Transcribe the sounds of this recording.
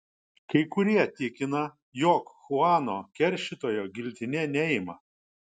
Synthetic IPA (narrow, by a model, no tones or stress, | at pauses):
kɐɪkʊɾʲiɛt̪ʲɪkʲɪnɐ | joːkxʊɑːnoːkʲɛɾʲˑʃʲɪt̪oːjoːɡʲɪlʲt̪ʲɪnʲɛnʲɛɪmɐ